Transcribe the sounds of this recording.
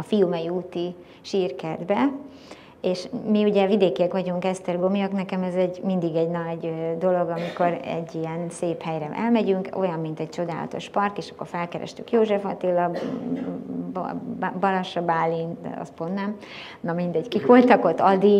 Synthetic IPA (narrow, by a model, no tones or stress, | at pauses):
ɒfijumɛjiuːt̪i | ʃiːrkɛrd̪bɛ | eːʃmiuɟɛvid̪eːkiɛkʋɒɟuŋkɛst̪ɛrɡomijoknɛkɛmɛzɛɟmind̪iɡɛɟnɒɟd̪o̞lo̞ɡɒmiko̞ɾɛ̰ɟːiɛnseːphɛjɾɛʔɛlmɛɟyŋko̞̰jɒmːint̪ɛct͡ʃo̞d̪aːlɒ̰t̪o̞̰ʃpɒrkeːʃɒ̥kːo̞rfɛlkɛɾɛ̰ʃt̪ykjoːʒɛfɒt̪ilːɒ | b̰bɒlɒʃɒbaːlin̰ɒ̰st̪pond̪nɛm | nɒmind̪ɛɟkikʋo̞lt̪ɒkot̪ːɒd̪i